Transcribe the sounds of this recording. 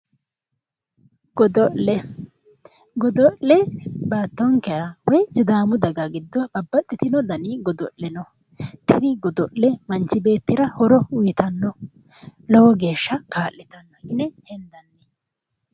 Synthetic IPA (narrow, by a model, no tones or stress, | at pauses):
ɡ̥ɔd̪ɔʔɛ | ɡɔd̪ɔʔlɛbaːt̪ːɔŋkɛɾɐwɔjsɪd̪aːmʊd̪ɐɡɐɡɪd̪ːɔbɐbːɐt̪ʼːɪt̪ɪnɔd̪ɐniːɡɔd̪ɔ̰lːɛnɔ | t̪ɪd̪ɪɡɔd̪ɔʔɛmɐnt͡ʃːɪbe̞ːt̪ːɪɾɐhɔɾɔʊjɪt̪ɐnːɔ | lɔwɔɡeːʃːɐkaːʔːɛt̪ɐnːɔʔɪnɛhɛnd̪ɐnːɛ